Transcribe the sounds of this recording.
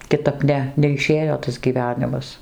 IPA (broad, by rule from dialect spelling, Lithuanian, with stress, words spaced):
kʲɪˈtɐp ˈnʲɛ nʲɛɪˈʃʲeːjoː tɐs ɡʲiːˈʋʲæːnʲɪmɐs